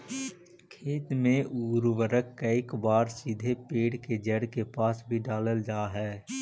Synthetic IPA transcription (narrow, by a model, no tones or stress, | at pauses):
kʰeːt̪mẽʔuːɾwəɾəkːɐɪkbaːɾsid̪ʱepeːɽked͡ʒəɽkepaːsbʱiɖaːləld͡ʒaːɦɛː